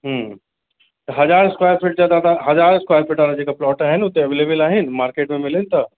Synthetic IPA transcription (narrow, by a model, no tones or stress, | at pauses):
ɦə | t̪ɐɦɐd͡ʒaːɾskwaːjəɾfʰɪʈ̚zjaːd̪ad̪aɦɐzaːɾskwaːjəɾfʰɪʈaːɾad͡ʒeːkaplɔːʈaɦɛnʊt̪ːẽɐʋeːleːbəlaːɦɪnmaːɾkeːʈmẽmɪlẽnt̪a